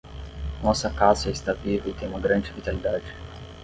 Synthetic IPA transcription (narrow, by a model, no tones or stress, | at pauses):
nɔsɐkazɛɪst̪avivɐit̪ẽj̃ũmɐɡɾɐ̃nd͡ʒɪvit̪alid̪ad͡ʒɪ